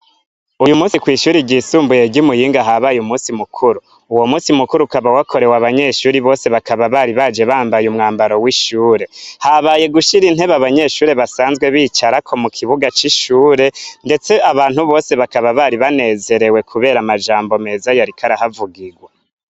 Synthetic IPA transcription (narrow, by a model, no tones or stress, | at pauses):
ujumuːsikwiːʃuːɾiɟiːsuːmbuje̞ɟimujiːŋɡaɦaβajumusimukʰuɾuː | wo̞musimukuɾukaβawakʰo̞ɾe̞waβaɲe̞ʃuːɾiβo̞ːse̞βakaβaβaɾiβad͡ʒe̞βaːmbajumŋaːmbaɾo̞wiʃuːɾe̞haβaje̞ɡuʃiɾin̥he̞βaβaɲe̞ʃuːɾe̞βasaːnzɡwe̞βiːt͡ʃaɾakʰo̞mukʰiβuɡat͡ʃiʃuːɾe̞nde̞t͡se̞aβaːn̥huβo̞ːse̞βakaβaβaɾiβane̞ːze̞ɾe̞we̞kʰuβe̞ːɾamad͡ʒaːmbo̞me̞zajaɾikʰaɾahavuɡiɡwa